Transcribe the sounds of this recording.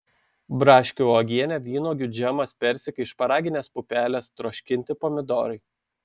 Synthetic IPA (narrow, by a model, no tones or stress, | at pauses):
bɾɑːʃʲkʲuɔɡʲiɛnʲɛʋʲiːnoːɡʲʊd͡ʒʲɛmɐspʲɛɾʲsʲɪkʲɐɪʃpɐɾɑːɡʲɪnʲeːspʊpʲæːlʲɛst̪ɾoːʃʲkʲɪnʲt̪ʲɪpɔmʲɪd̪ɔ̰ːɾɐɪ